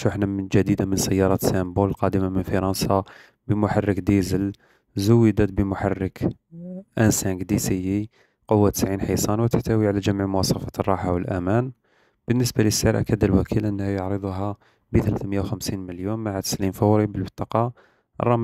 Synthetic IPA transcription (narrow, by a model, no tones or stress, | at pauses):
ʃuħnad͡ʒæd̪id̪amənsəjːɑɾˤɑt̪sæmbulqɑd̪əmamənfɑɾˤɑnsɑ | bəmʊħarˤːəkd̪izəl | zʊwːəd̪æt̪̚bəmʊħarːək | ʔənsæŋɡd̪isijːi | qowːat̪ə̥sʕinħisˤɑnwət̪ə̥ħt̪æwiʕalæʒəmʕmʊwɑsˤɑfɑrˤːɑħawəlʔæmæn | b̥ənːəsbaləsːaɾʔæ̰kæd̪əlwækʰilʔənːhjəʕɾəd̪ˤuɦæ | bət̪əlæθməjːawxəmsinməljumːaʕat̪ə̥slimfɑwɾibəlbət̪ˤːɑqɑ | ʔrˤːɑm